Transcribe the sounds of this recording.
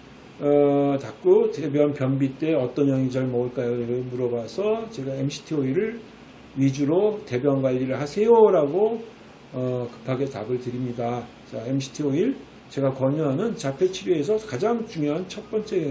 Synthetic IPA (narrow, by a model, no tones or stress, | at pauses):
ʌtak̚k͈otebjʌnpjʌnbit͈e̞ʌt͈ʌnʌŋit͡ɕʌɭmʌuɭk͈ajoɯmuɾʌbasʰʌt͡ɕe̞ɡaemɕʰi̥tʰioiɾɯɭ | ɥid͡ʑuɾote̞bjʌnɡwaʎːiɾɯɭɦasʰe̞joɾaɡo | ʌkɯ̥pʰaɡe̞ta̰ɡɯɭtɯɾimɲida | t͡ɕaemɕʰi̥tʰioiɭ | t͡ɕe̞ɡakʌɲuɦanɯnt͡ɕapʰe̞t͡ɕʰiɾjie̞s̬ʰʌkad͡ʑaŋt͡ɕuŋjoɦant͡ɕʰʌt̚p͈ʌnt͡ɕ͈e